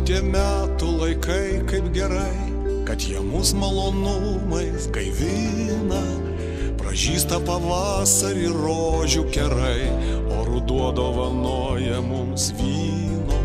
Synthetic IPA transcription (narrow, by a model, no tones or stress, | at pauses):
t̪ʲiɛmʲæːt̪ʊlˠɐɪkʰɐɪkɐɪpɡʲɛɾɐɪ | kɐt̪jiɛmʊsmɐlˠoːnʊ | mɐɪskɐɪʋʲɪ | nɐ | pɾɐ̰ʒʲiːst̪ɐpɐʋɑːsɐɾʲiɾoːʒʲʊkʲɛɾɐɪ | oːɾʊd̪uɔd̪oːʋɐnoːjɛmʊmsʋʲiː | noː